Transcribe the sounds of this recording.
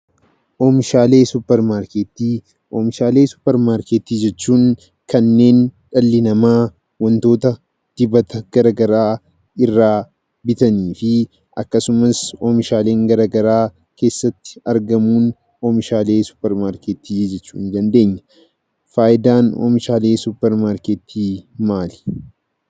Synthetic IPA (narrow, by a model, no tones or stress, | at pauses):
ʔoːmɪʃaːle̞ːsʊpːɛɾmaːɾkeːt̪ːiː | ʔoːmɪʃaːle̞ːsʊ̥pːɛɾmaːɾkeːt̪iːd͡ʒɛt͡ʃːuːŋ | kɐnːe̞ːnᶑɐlːɪnɐmaː | wɐnt̪o̞ːt̪ɐ | d̪̥ɪbɐt̪ɐɡ̥ɐɾɐɡɐɾaː | ɪrːaː | bɪt̪ɐniːfɪ | ʔɐ̰kːɐsʊmɐsoːmɪʃaːle̞ːŋɡɐɾɐɡɐɾaː | ke̞ːsːɐt̪ːɪ̥ɐɾɡɐmuːn | oːmɪʃaːle̞ːsʊ̥pːɛɾmaːɾkeːt̪iːd͡ʒɛt͡ʃːuːnd̪ɐnd̪e̞ːɲːɐ̥ | faːʔɪd̪aːno̰ːmɪʃaːle̞ːsʊpːɛɾmaːɾkeːt̪ʰiːmaːlɪ̥